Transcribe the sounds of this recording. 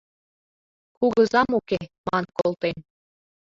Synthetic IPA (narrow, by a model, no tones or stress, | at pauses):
kuɣɤ̆zɑmukemɑnkolˠt̪en